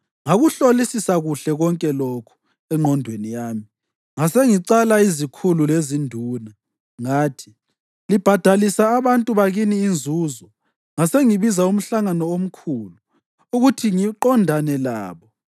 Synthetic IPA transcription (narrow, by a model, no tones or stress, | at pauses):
ŋaɣuɬolisisaɣuɬɛɣɔŋkʼɛlokʰu̥ | ɛŋ͡ǃʱɔndʱwenijaːmi | ŋaseŋiǀalaizikʰululezindʱuːna | ŋaːtʰi̥ | lib̥ʱad̥ʱalisaːβantʼuβaɣiniːnd͡zʱuːzɔ | ŋaseŋiβizaum̩ɬaŋanɔom̩kʰuːlu | uɣutʰiŋiǃɔndʱanɛlaːβɔ